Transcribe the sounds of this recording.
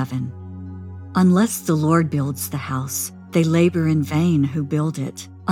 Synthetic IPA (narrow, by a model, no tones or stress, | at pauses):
ɛvɨ̃n | ʔə̃nlɛsðəlɔɹd̚bɪlˠdz̥ðɨhaʊs | ðeɪleɪbə˞ɨ̃nvẽɪ̃nɦubɪlˠdɪt | ʔə̃